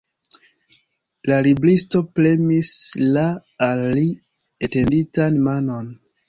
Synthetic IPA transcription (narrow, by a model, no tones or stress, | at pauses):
laliblisto̞ple̞mislaːlːi | ete̞nditanmano̞n